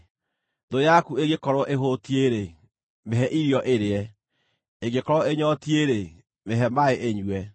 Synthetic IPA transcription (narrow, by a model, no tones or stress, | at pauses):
dojakueɣekɔɾɔʔeɦotieɾe | meɦɛʔiɾiɔʔeɾeɛ | eɡekɔɾɔeɲɔtieɾe | meɦɛmaeʔeɲwɛ